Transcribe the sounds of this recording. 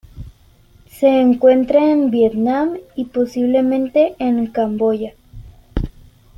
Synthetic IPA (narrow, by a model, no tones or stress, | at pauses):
seːŋkwe̞nt̪ɾaenbjet̪namiposiβlemẽnt̪eʔːŋkamboʝa